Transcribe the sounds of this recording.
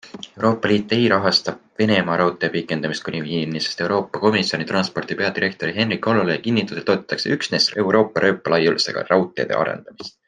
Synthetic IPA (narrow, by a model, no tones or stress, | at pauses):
e̞wɾo̞ːpˑːɑliːt̪ːˑe̞jɾɑɦɑst̪ɑb̥̚ve̞ne̞mɑɾɑwt̪ˑeɑpikːˑe̞nd̪ɑmist̪kunʲivinimnisest̪e̞wɾo̞ːpːɑko̞misjo̞nit̪rɑnspo̞rd̪ipe̞ɑd̪iɾe̞k̚t̪o̞ɾiɦe̞nrikːo̞lolejɑkinːit̪ːˑuset̪o̞ːt̪ːˑɑ̥t̪ːˑɑksḛyksne̞se̞wɾo̞ːpˑːɑɾʔø̞ːpːˑɑlɑjulse̞̰ɡ̥ɑ̰rɑwt̪ˑeɑ̰d̪ḛɑ̰ɾḛnd̪̥ɑmist̪